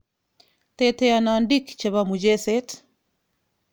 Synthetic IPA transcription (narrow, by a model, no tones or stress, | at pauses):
t̪ɛtɛjanandikt͡ʃɛβamud͡ʒɛsɛt